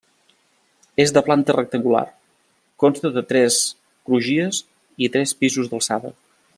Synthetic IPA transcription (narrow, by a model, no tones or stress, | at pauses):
ezðəplant̪ərək̚t̪əŋɡula̰r | kɔnst̪əðət̪ɾɛs | kɾuʒiəz | it̪ɾɛspizuzðəlˠsaβə̰